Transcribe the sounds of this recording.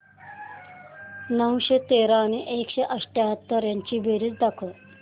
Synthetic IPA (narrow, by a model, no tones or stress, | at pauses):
nəwɕet̪eɾañiʔekɕeʔəʂʈjaɦət̪ːəɾjaɲt͡ɕiːbeɾit͡sd̪akʰə